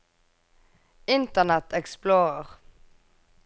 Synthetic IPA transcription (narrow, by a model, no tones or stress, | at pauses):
ɪnt̪ənɛt̪ɛksploːʁəʁ